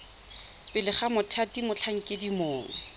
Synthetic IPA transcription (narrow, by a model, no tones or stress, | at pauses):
pɪlɪχamʊtʰatimʊt͡ɬʰaŋ̩kʼɪdimoːŋ̩